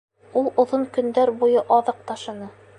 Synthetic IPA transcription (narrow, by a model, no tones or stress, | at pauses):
ulˠŏðoŋkɵ̆nd̪æɾbujɤʔɑðɤq̚t̪ɑʃɤ̆nɤ